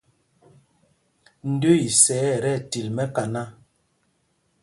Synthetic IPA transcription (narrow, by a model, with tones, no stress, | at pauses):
n̩˦dø˦i˨sɛː˨˦˨ɾɛ˦˨ti˨lmɛ˦ka˨na˦˨